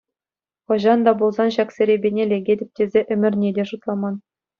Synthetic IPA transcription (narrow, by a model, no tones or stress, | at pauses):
χɤ̆ʑɑnd̪ɑbulˠzɑnɕɑksʲɘ̆ɾʲebʲenʲelʲeɡʲedʲɘ̆p̚ʲtʲezʲeʔɘ̆mʲɘ̆rʲnʲedʲeʂut̪lˠɑmɑn